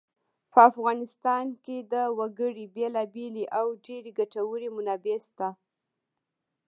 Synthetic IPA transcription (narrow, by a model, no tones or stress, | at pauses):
pəafɣɑnɪst̪ɑnked̪əwaɡəɽibelɑbeliʔawɖeɾeɡaʈawəɽimʊnɑbest̪a